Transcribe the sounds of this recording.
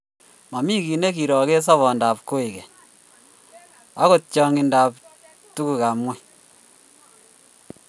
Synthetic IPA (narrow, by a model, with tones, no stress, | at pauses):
ma˨mi˦ki˨ne˦ki˨ɾɔ˨ke˦s̬ɔ˦βɔ˨nda˨p̚ko˦i˨kɛ˨ | a˦ko˨t̚t͡ʃɔ˦ŋi˨nda˨p̚ | tu˦ku˨ka˨mwɛ˦